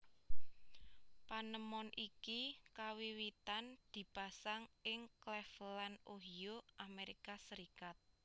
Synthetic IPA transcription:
panəmɔnʔikikawiwit̪and̪̥i̤b̥a̤saŋɪŋklɛflanoɦijoʔameɾikasəɾikat̪̚

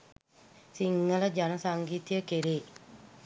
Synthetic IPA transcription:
siŋːələd͡ʒanɐsaŋɡiːt̪ijəkeɾeː

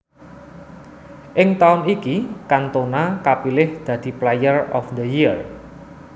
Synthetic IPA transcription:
ʔɪŋt̪aʊnikikant̪onakapilɪhd̪̥ä̤d̪̥i̤plajərɔ̰fd̪əjir

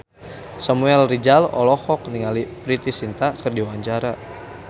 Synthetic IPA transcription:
samuɛlrid͡ʒalɔ̰lɔhɔk̚niŋalipɾit̪isint̪akɨrdiwaɲt͡ʃaɾa

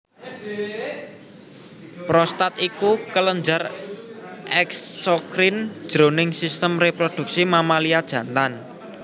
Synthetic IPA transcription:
pɾɔst̪at̪ikukələɲd͡ʒar | ʔɛksokɾind̥ʒ̥ɾonɪŋsist̪əmrepɾod̪̥ṳk̚simamaliad̥ʒ̥ä̤nt̪an

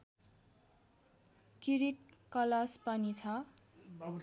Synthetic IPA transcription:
kiɾiʈ̚kʌlaspanit͡sʰʌ

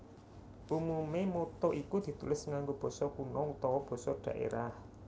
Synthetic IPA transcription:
ʔumumemot̪ɔʔikud̪̥i̤t̪ulɪsŋaŋɡob̥ɔ̤sɔkunɔut̪ɔwɔb̥ɔ̤sɔɖ̪̥ä̤ʔḛɾah

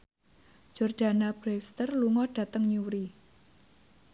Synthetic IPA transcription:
d͡ʒ̥ɔrd̥a̤nab̥ɾɛfst̪ərluŋɔɖ̥ä̤t̪əŋɲuɾi

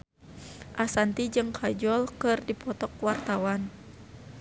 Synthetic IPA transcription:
ʔasant̪id͡ʒɨŋkʰad͡ʒɔlkɨrdipɔt̪ɔkwart̪awan

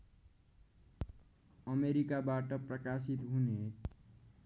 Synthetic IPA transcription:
əmeɾikabaʈʌpɾəkasit̪ɦune

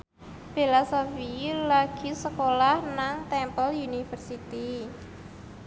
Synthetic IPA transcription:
b̥elasofilaɡ̥i̤səkolahnaŋt̪ɛmpəlunifərsit̪i

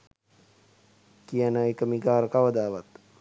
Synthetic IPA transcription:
kijanəekəmiɡaːɾəkaʋəd̪aːʋat̪

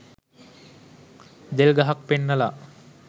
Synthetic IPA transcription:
d̪elɡaɦak̚penːəlaʔ

